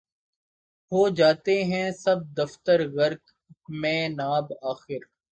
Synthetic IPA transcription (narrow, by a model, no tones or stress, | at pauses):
ɦoːd͡ʒaːt̪eɦɛ̃sɐb̚d̪ɐft̪əɾɣɐɾk | mẽːnaːbaːxɪɾ